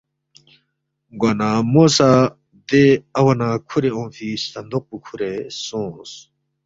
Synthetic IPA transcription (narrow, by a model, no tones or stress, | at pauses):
ɡwɐnamosa | d̪eɐwɐnakʰuɾeõːfist̪ɐnd̪oq̚pukʰuɾesõːs